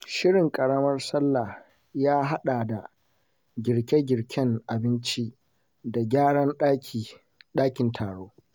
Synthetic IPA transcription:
ʃɪ˦ɽɪ˨ŋkʼɐ˨ɽɐ˦mɐ˦rsɐ˦lːa˨ | jaː˦ɦa˦ɗa˨da˨ | ɡʲɪ˨ɽkʲe˦ɡʲɪ˨ɽkʲɛ˦ŋʔa˨bɪ˦nt͡ʃi˦ | da˨ɡʲaː˦ɽɐ˦nɗʲi˨ | ɗaː˦kʲɪ˨ntʰaː˨ɽoː˦

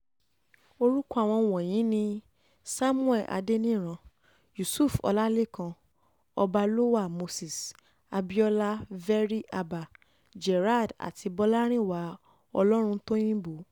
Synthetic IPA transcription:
o˧ɾu˦ku˦a˨w̃ɔ̃˧wɔ˨j̃ĩ˨˦nĩ˧ | sa˦mũ˦ɛ˦˨ʔa̰˨˧de˦nĩ˦˨ɾ̃ã˧ | ju˨su˦˨fɔ̰˧la˦le˦˨kã˧ | ɔ˧ba˧lo˦wa˦˨mo˧si˨s | a˧bi˦ɔ˦la˦vɛ˦ɾi˦ʔa˧ba˨ | d͡ʒɛ˨ɾa˦˨da̰˨ti˧bɔ˧la˦ɾ̃ĩ˦˨wa˨˦ | ɔ˧lɔ˦ɾ̃ũ˧˦to˦j̃ĩ˦bo˨˦

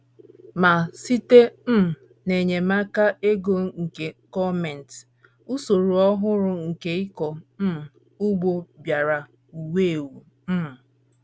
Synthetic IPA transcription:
ma˨si˦te˦m̩˦˨ | ne˨ɲe˨ma˦ka˦e˦ɡo˦ŋ̩˨ke˨kɔ˦me˨n˨t | u˦so˨ɾu˨ɔ˦ɦʊ˦ɾʊ˦ŋ̩˨ke˦i˦kɔ˨m̩˦˨ | u˦ɡ͡bo˦bja˨ɾa˨ | u˨we˦˨e˨wu˨ | m̩˦˨

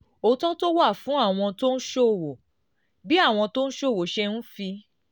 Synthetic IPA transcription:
o˧tɔ̃˦to˦wa˦˨fũ˨˦a˦˨w̃ɔ̃˧to˦n̩˦ʃo˦˨wo˨ | bi˦a˦˨w̃ɔ̃˧to˦ñ̩˦ʃo˦˨wo˨˦ʃɛ˧nũ˦fi˧

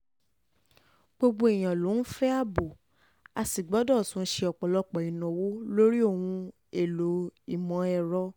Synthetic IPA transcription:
ɡ͡bo˧ɡ͡bo˧i˨j̃ã˨lo˨˦n̩˦fɛ˦a˦˨bo˨ | a˧si˨ɡ͡bɔ˨˦dɔ˦˨sũ˨˦ʃe˧ɔ˨k͡pɔ˨lɔ˧˦k͡pɔ˨i˨nɔ̃˨wo˦lo˦ɾi˦o˦˨w̃ũ˧ | e˨lo˨i˨mɔ̃˨˦ɛ˨ɾɔ˧

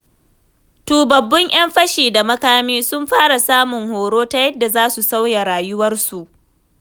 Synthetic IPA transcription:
tuː˨bɐ˨bːʊ˦ŋj̰ɐ˦mɸɐ˦ʃiː˨da˨mɐ˦kaː˦miː˦sʊ˦mɸaː˦ɽa˨saː˦mʊ˨ŋhoː˨ɽoː˦ta˦jɐ˦dːa˨zaː˦su˨sa˦wja˨ɽaː˨jʊ˦wɐ˦rsu˨ʔ

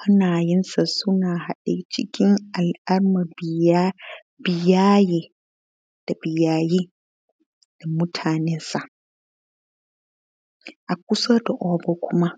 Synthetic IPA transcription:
ha˦naː˨jɪ˦nsa˨sʊ˦naː˨ha˨ɗe˦˨t͡ʃɪ˦kʲɪ˦ŋa˨lʔa˦rma˨ba˦ | bɪ˨jaː˦je˨ | d̥a˨bɪ˨jaː˦ji˦ | d̥a˨mʊ˦tʰaː˨nɛ˦nsa˨ʔ | ʔa˨kʷʊ˦so˦da˨ʔɔː˦bɔ˦kʷʰʊ˦ma˦

